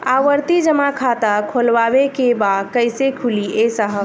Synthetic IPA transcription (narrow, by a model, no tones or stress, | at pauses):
aʋəɾt̪id͡ʒəmakʰat̪akʰolʋaːwekebad̪kəɪsekʰuliesaɦə